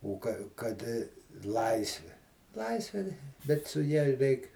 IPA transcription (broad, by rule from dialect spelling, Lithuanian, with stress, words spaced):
ʊ ˈkɐ ˈkɐt ˈlˠɐɪsʲʋʲɪ ˈlˠɐɪsʲʋʲeː tɐɪ bʲɛt sʊ ˈjɛ ˈrʲɛɪk